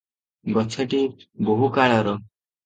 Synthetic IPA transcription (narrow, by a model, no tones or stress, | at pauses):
ɡɔt͡ʃʰeʈiboɦukaɭɔɾɔ